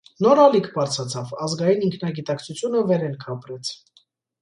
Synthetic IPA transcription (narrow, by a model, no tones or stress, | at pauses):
nɔɾɑlikʰbɑɾt͡sʰɑt͡sʰɑvɑzɡɑjiniŋkʰnɑɡit̪ɑkt͡sʰut͡sʰjunəvɛɾɛnkʰɑpɾɛt͡sʰ